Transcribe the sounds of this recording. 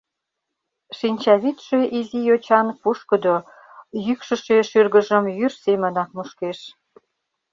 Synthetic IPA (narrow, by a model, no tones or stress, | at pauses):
ʃinʲt͡ɕɑβit̪ʃeʔizijot͡ɕɑnpuʃkəd̪o | jykʃə̆ʃeʃyrɣəʒəmjyrsemənɑk̚muʃkeʃ